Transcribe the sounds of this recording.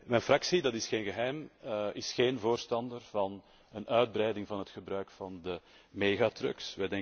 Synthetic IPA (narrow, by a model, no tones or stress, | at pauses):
mɛjnfrɑksidɑtɪsxeːnɣəɦɛjmɪsxeːnvoːrstɑndərvɑn | ənœɥd̚brɛjdɪŋvɑnɦətxəbrœɥkfɑndə | meːɣaːtrɵ̰ksʋɛjdɛŋ